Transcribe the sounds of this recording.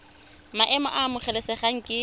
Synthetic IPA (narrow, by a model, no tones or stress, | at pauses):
maʔɛmɔ̰ʔamʊχɛlɛsɛχaŋ̩kʼɪ